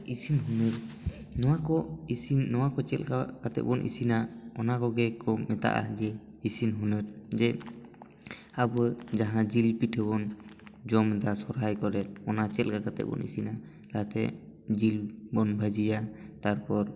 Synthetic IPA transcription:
isinɦunəɾ | nɔwakɔisinnɔwakɔt͡ʃɛ̰lkakat̪ɛ̰p̚bɔnʔḭsinaɔnakɔɡɛkɔmɛt̪a̰ʔa̰d͡ʒɛ | isinɦunəɾd͡ʒɛ | abd͡ʒaɦãd͡ʒilpiʈɛbɔnd͡ʒɔmd̪asɔɾajkɔɾɛɔnat͡ʃɛlkakat̪ɛ̰bɔ̰nʔḭsina | ɾat̪ɛ̰d͡ʒilbɔnbʱəd͡ʒijat̪aɾpɔɾ

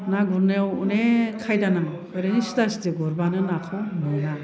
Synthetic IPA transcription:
naɡuɾnewṵnekʰajdanaŋkʰɯɾenisi̥tasitiɡɔɾbanɯnakʰɔmɯjna

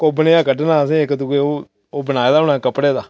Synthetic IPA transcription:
koːbəneːaːkəɖnaːs̬ẽːkəd̪uːkeoː | oːbənaːeːd̪aːʊnãːkəpɽeːd̪aː

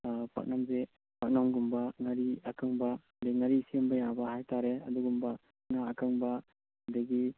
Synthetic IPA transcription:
pʰa̰k̚namze | pak̚namɡumbaŋaɾiakʰɯŋba | deŋaɾisiəmbajabahajtʰaɾeɐd̪uɡumba | ŋaːkʰɯŋba | deɡi

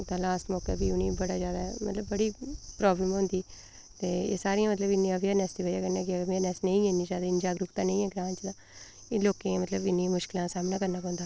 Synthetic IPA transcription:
t̪ãːlaːsʈmɔːka̰ːbiːʊniːbəɽaːd͡ʒaːd̪aːɛmə̰t̪ləbːəɽiːpɾaːbləmɦʊ̃ːnd̪iː | t̪eːḛːsaːɾijãmət̪ləbɪnːĩãːʋiəːnɛːsd̪iːʋəd͡ʒaːkənãːkɪəʋeːnɛːsnəĩːɛ̃ːnĩːd͡ʒaːd̪aːɪnd͡ʒaːɡɾʊkt̪ãːnə̃ĩɛːɡɾãːɲt͡ʃd̪ãː | ɪloːkẽmət̪ləbɪnːĩmʊʃkɪlãːsaːmnaːkəɾnaːpɔ̃ːnd̪aː

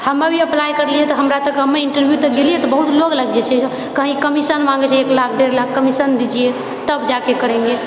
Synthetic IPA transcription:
həmːebʱiəplajkəɾlijɛt̪ɔɦəmɾat̪əkɦəmːeiɳʈəɾbʱjut̪əɡelijɛt̪ɔbəɦut̪loɡləɡd͡ʒɛt͡ʃʰɛ | kəɦĩkəmisənmãŋɡɛt͡ʃʰɛeklakʰɖeɾlakːəmisənd̪id͡ʒije | t̪əbd͡ʒakekəɾẽŋɡe

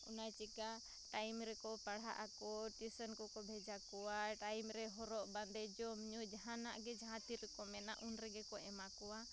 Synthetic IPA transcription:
unajt͡ʃika | ʈajmɾɛkɔpaɽ̤a̰ʔakɔʈisənkɔkɔbʱɛd͡ʒakɔwaʈajmɾɛɦɔɾɔʔband̪ɛd͡ʒɔmɲud͡ʒaɦãnaʔɡɛd͡ʒaɦãt̪iɾɛkɔmɛnaʔunɾɛɡɛkɔʔɛmakɔwa

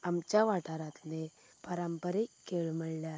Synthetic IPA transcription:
amt͡ɕjaʋaʈaɾat̪le | pəɾəmpəɾekeɭməɭlja

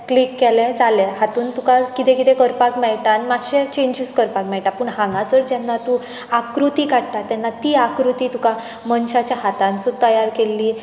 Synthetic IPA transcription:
klikːɛlɛ̃d͡zalehat̪uːnt̪ukakit̪ɛ̃kit̪ɛ̃kəɾpakmɛɭʈanimaɕẽt͡ɕeɲd͡ʑiskəɾpak̚mɛɭʈapəːɳɦãŋɡãsəɽd͡ʑɛnːat̪u | akɾut̪iːkaɽʈ̪at̪ɛnːat̪iːakɾut̪iːt̪uka | mənɕat͡ɕjaɦat̪ãnt͡sut̪əjaɾkelːiː

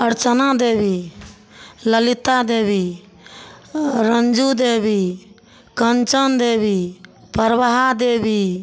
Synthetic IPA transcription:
əɾt͡ʃənad̪eːbi | ləlit̪ad̪eːbi | ɾənd͡ʒud̪eːbi | kənt͡ʃənd̪eːbi | pəɾʋaɦad̪eːbi

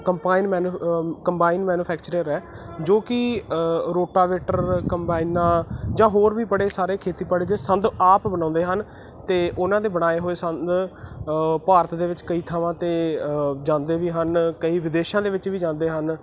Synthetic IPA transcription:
kəmpaːiːnmɛːnkəmbaːinmɛːnuːpʰɛːkt͡ʃəɾẽɾɛː | d͡ʒoːkɪ | ɾoːʈaːʋeːʈəɾkəmbaːiːnãːd͡ʒãːɦoːɾʋiːbəɽeːsaːɾeːkʰeːt̪iːpəɽeːd̪eːsənd̪aːpbənãːnd̪eːɦən | t̪eːʔʊnãːd̪eːbəɽaːeːɦoːeːsənd̪ | paːɾət̪d̪eːʋɪt͡ʃkəiːt̪ʰaʋãːt̪eːd͡ʒãːnd̪eːʋiːɦənkəiːʋɪd̪eːʃãːd̪eːʋɪt͡ʃʋiːd͡ʒãːnd̪eːɦən

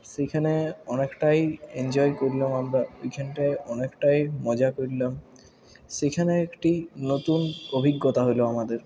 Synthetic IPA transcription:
ʃekʰaneɔnekʈajend͡ʑɔekoɾilamamɾaejkʰanʈajɔnekʈajmɔd͡ʑakoɾilam | ʃekʰaneekʈinot̪unobʱiɡːot̪aɦoloamad̪eɾ

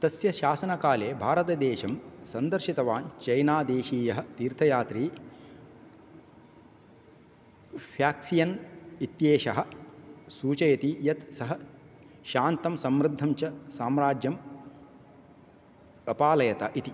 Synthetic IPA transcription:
t̪ɐsjɐʃaːsɐnɐkaːleːbʱaːɾɐt̪ɐd̪eːʃɐmsɐnd̪ɐɾʃit̪ɐʋaːnt͡ʃɐjnaːd̪eːʃiːjɐɦɐ̆t̪iːɾt̪ʰɐjaːt̪ɾiː | pʰjaːksijɐnit̪jeːʃɐɦɐ̆suːt͡ʃɐjɐt̪ijɐt̪sɐɦɐ | ʃaːnt̪ɐmsɐmɾɪd̪ʱːɐmt͡ʃɐsaːmɾaːd͡ʒjɐm | ɐpaːlɐjɐt̪ɐʔit̪i

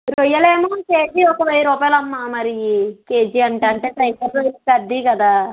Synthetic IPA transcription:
ɾujɐleːmaːkeːd͡ʒiɔkɐʋeːjɐɾuːpaːjlɐmːaːmɐɾikeːd͡ʒiɐɳʈɐːɳʈeːsɐjkɐɾlɐjɐkɐd̪ːiːkɐd̪aː

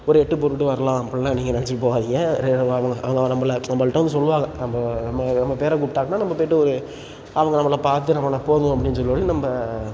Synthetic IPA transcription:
ɔɾɯɛʈːɯp̬ɔɾɯʈːɯʋɐɾɐlãːɐpːɐɽɪnːaːniːŋɡɐnɐnɛt͡ʃːɪʈɯpːoːʋaːðɪŋɐɾeɐʋɐŋɡɐʔɐʋɐŋɡɐnɐmːɐlɐnɐmbɐɭʈːɐʋɐnd̪ɯs̬ɔlːɯʋaːɣɐnɐmbɐnɐmːɐnɐmbɐpeːɾɐk̬uʈʈːaːɣɐnaːnɐmbɐpoːjʈːɯɔɾɯ | ɐʋɐŋɡɐnɐmːɐlɐpaːɾt̪ːɯnɐmːɐlɐpoːð̃ɐp̬ːɐɽɪnːɯsɔlːɯpːɐːɽinɐmbɐ

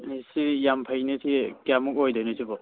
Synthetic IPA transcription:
isijampʰajnitʰikjamukojdojnɔsʰibɔ

